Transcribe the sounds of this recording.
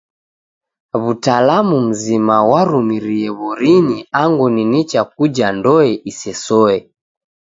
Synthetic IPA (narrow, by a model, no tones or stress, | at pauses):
βutalamum̩zimawaɾumiɾiɛβɔɾiniaŋɡuninit͡ʃak̚ud͡ʒandɔɛʔisɛsɔɛ